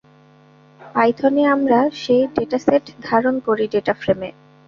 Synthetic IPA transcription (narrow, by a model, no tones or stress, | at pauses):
pajd̪ʰʱɔneamɾaʃejɖeʈaseʈʰd̪ʱaɾonkoɾiɖeʈafɾeme